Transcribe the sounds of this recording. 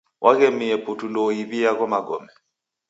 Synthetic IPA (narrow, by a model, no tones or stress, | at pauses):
wʔakemiepʰʼutʰulojiɓijak̬ʼɔmaɡɔːmɛ